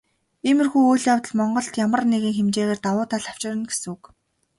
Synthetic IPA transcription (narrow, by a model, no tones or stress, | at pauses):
eːmɘ̆rxujujɮjawt̪ə̆ɮmɔɴɢɞ̆ɬt̪jamə̆rneɣĭːŋxemt͡ɕeːɣeːrt̪awʊːt̪ʰaːɮaw̥t͡ɕɪ̆ɾə̆nɡesɘ̆ŋuk